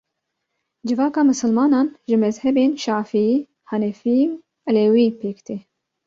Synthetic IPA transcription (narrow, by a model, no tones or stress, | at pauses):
d͡ʒɪvaːkɐmʊsɨlmaːnɐnʒɪmɛzhɛbeːnʃaʕfi | ħanɛfi | ʔlɛwipeːkt̪ʰi